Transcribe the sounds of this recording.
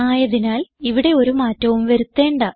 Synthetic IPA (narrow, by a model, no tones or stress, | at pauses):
aːjɐðinaːliʋiɽe̞o̞ɾumaːtːɐʋumʋɐɾut̪ːe̞ːɳɖɐ